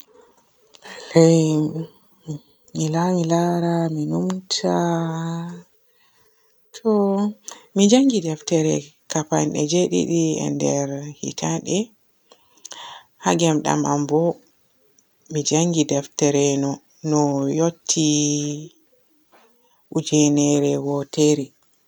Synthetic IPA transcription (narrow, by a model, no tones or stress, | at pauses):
laj | milamilaɾaminumtʰa | tʰɔ | mid͡ʒaŋɡidɛftɛɾɛkapa̰nɗɛd͡ʒeɗḭɗiɛ̰ndɛɾhḭtʰaɗɛ | haɡɛmɗa̰mʔa̰mbɔ | mid͡ʒaŋɡidɛftɛɾɛnɔ | nɔjotʰːi | ud͡ʒɛnɛɾɛwɔtɛɾɛ